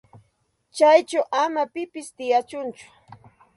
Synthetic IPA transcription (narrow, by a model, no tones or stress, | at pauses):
t͡ʃajt͡ʃawʔamapɪpɪst̪ɪjat͡ʃʊnt͡ʃʊ̥